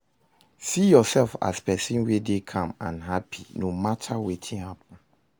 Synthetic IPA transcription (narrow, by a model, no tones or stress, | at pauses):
sijɔsɛlfa̰spɛsĩnwedekʰãmã̰nɦapʰinomatʰawetʰĩnhap̚ɔ̃n̩